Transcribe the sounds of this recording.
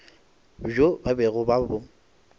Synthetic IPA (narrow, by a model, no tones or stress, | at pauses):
ʒobabɛɣʊbabʊ